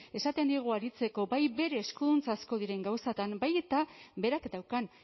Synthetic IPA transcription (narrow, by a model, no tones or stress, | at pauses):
e̞sat̪e̞nd̪iɣ̞uaɾit͡se̞ko̞bajbe̞ɾe̞ːskunt͡sasko̞ðiɾe̞ŋɡawsat̪ambajt̪abe̞ɾakd̪awkan